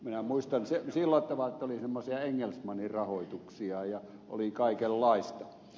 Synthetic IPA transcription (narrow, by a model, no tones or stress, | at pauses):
minæmuist̪ɑnsesilːɑt̪ːɑʋɑet̪ːolisemːosiɑeŋːelsmɑnirrɑhoˑit̪uksiɑjɑ | ʔo̰likɑˑikelːɑˑist̪ɑ